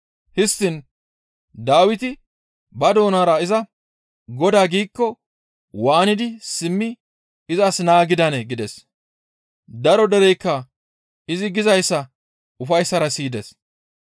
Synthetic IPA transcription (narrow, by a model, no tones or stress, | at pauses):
hɪst̪ːɪn | d̪aːwɪt̪ɪ | bɐd̪o̞ːnaːɾɐɪzɐ | ɡɔd̪aːɡiːkːɔ | waːnɪd̪ɪsɪmːɪ | ɪzɐsnaːɡɪd̪ɐnɛɡɪd̪ɛs | d̪ɐɾɔd̪ɛɾɛjkːɐ | ɪzɪɡɪzɐjsːɐ | ʊfɐjsːɐɾɐsiːd̪ɛs